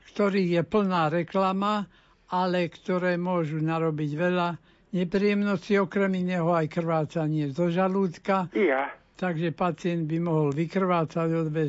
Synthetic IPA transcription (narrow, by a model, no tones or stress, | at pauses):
kt̪ɔɾiːjɛpl̩naːɾɛklama | alɛkt̪ɔɾɛːmʊɔʒunaɾɔbiɟʋɛla | ɲɛpɾijɛmnɔsciɔkɾɛminɛːɦɔajkr̩ʋaːt͡saɲɪɛzɔʒaluːt̪kaat̪aɡʒɛpat͡sɪɛnd̪̚bimɔɦɔlʋikr̩ʋaːt͡saɟɔd̪ʋɛ